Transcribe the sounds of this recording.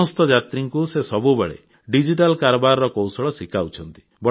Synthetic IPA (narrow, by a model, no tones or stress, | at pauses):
ɔst̪ɔd͡ʒat̪ɾiŋkusesɔbubeɭḛ | ɖid͡ʒiʈalkaɾɔbaɾɔɾɔkowsɔɭɔsikʰawt͡ʃʰɔnt̪i̥ | bɔ